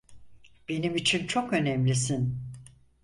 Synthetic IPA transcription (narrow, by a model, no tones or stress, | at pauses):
b̥e̞nimit͡ʃʰint͡ʃʰo̞kø̞nɛmlʲisin